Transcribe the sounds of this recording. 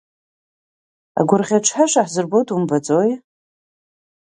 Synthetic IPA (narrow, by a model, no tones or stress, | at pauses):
a̰ɡʷʊrʁʲaʈ͡ʂʷʰħaʃʷaħzɨrbotʰʼumbat͡sʼoj